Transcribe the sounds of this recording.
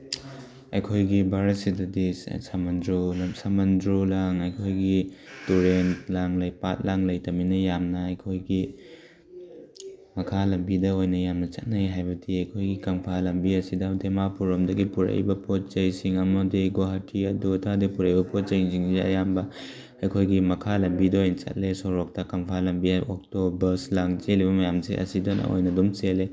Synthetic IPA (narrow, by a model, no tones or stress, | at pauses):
ɐjkʰojɡibʱaɾɐsidɐdissamɐndɾolsamɐndɾolaŋɐjkʰojɡituɾentlaŋlɐjpat̚laŋlɐjtɐminɐjamnɐɐjkʰojɡi | mɐkʰalɐmbidɐojnɐjamnɐt͡ʃɐt̚najɦajbɐtʰiɐjkʰojɡikɐmpʰalɐmbiɐsidɐdemapuɾɔmdɐɡipuɾɐ̰jbɐpʰot̚t͡ʃɐjsiŋɐmɐdiɡoɦatʰiɐdutʰadipuɾɐjbɐpot̚t͡ʃɐjsiŋziɐ̰jambɐ | ɐjkʰojɡimɐkʰalɐmbidɐojnɐt͡ʃɐ̰t̚lesoɾɔk̚tɐkɐmpʰalɐmbiaɔk̚tobɐɾslaŋt͡ʃeliβɐmɐjamseʔɐ̰sidɐnʔɐ̰o̰jnɐdumsele